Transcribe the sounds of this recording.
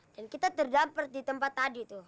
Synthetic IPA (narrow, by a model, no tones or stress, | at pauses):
d̥ankit̪at̪ərdapart̪̚dit̪əmpat̪ːadit̪u